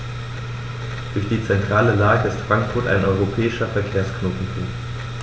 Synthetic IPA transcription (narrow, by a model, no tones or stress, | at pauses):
d̥ʊɐçd̥iːt͡sɛntʁ̥aːləlaːɡəɪstfʁ̥aŋkfʊɐta̰ɪnʔɔʏʁopʰɛːɪʃɐfɛɐkʰeːɐsknoːtn̩fṵːk